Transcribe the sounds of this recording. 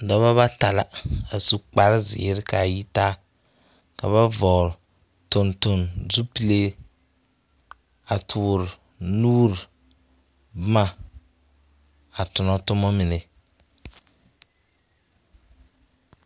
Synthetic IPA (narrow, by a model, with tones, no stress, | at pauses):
dɔ˨βa˦βa˦ta˨la˨a˨su˦k͡pa˨ɾɪ˦zɪ̰˨˦ɾɪ˦ka˨ji˦ta˦ | ka˨βa˦vɔ˨l | to˨nto˨nzu˦pi˨le˦ | a˨tʰuː˨ɾ | nuː˦ɾ | bʊ˦ma˦ | a˨tʊ˨nɔ˦tʊ˦mɔ˦mɪ˨ne˨